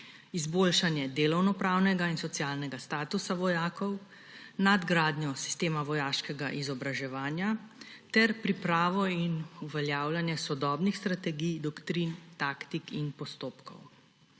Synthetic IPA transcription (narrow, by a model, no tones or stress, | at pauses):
izboːlʃanjɛd̪eːlɔwnɔpɾawnɛɡainsɔt̪sjalnɛɡast̪aːt̪usaʋɔjaːkɔw | nad̪ɡɾaːd̪nʲjɔsi̥st̪eːmaʋɔjaːʃkɛɡaʔizɔbɾaʒɛʋaːnjat̪ɛɾpɾipɾaːʋɔinuʋɛljawlanjɛsɔd̪ɔːbnixst̪ɾat̪ɛɡijd̪ɔkt̪ɾint̪aːkt̪ikinpɔst̪oːpkɔ̰w